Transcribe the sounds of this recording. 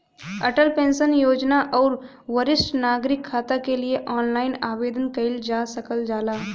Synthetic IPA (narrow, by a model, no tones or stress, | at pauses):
ɐʈəlpẽːnsənjoːd͡ʒnaʔɔːɾ | ʋəɾɪsʈnaːɡɾɪkʰːaːt̪akelieʔɔːnlaːɪnaːʋeːd̪ənkɐɪld͡ʒaːsəkəld͡ʒaːlaː